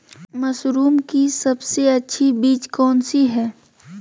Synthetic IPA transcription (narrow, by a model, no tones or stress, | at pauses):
mɐsɾuːmkisɐbseɐtːʃʰibiːt͡ʃkɔːnsiɦɛː